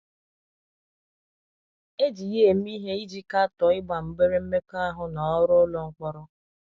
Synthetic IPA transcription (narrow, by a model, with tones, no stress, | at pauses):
e˦d͡ʒi˨je˦˨m̩˦i˦ɦe˦i˦d͡ʒi˦ka˦a˦tɔ˨ɪ˦ɡ͡ba˨m̩˦be˦ɾe˦m̩˦me˦ka˦a˦ɦʊ˨nɔ˨ɔ˦ɾʊ˦lɔ˨ŋ͡m̩˦k͡pɔ˦ɾɔ˦